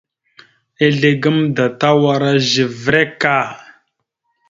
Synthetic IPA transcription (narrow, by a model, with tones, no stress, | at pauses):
e˦ɮe˨ɡə˦mda˨ta˦wa˦ɾa˦ʒi˨vɾe˦ka˦˨